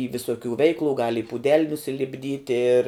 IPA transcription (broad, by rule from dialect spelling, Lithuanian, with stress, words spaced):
iː ʋʲɪˈsoːkʲuː ˈʋʲɛɪklˠʊ ɡɐlˠ ɪ puːˈdʲɛlˠ nʊsʲɪlʲɪbʲˈdʲiːtʲ ɪr